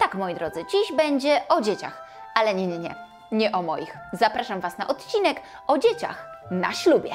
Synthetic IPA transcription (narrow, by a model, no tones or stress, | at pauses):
t̪akmɔjid̪ɾɔd̪zɘd͡ʑiʑbɛɲd͡ʑɛʔɔd͡ʑet͡ɕa̰x | ʔalɛɲɛɲɛɲɛ | ɲɛʔɔmɔjixzapɾaʂamvasna̰ʔɔt̪t͡ɕinɛk | ɔd͡ʑet͡ɕa̰xna̰ɕlubʲjɛ̰